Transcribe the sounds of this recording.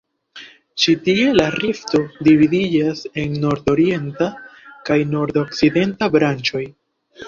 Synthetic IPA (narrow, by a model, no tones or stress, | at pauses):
t͡ʃitie̞laɾifto̞dividid͡ʒase̞nːo̞ɾdo̞ɾie̞ntakajno̞ɾd̪o̞kside̞ntabɾant͡ʃo̞j